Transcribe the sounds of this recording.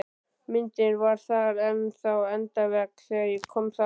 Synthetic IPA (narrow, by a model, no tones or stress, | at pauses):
mɪnt̪ɪnvaɾ̥θaɣɾɛnθawɛnt̪avɛksɛɣjɛkʰːɔmθa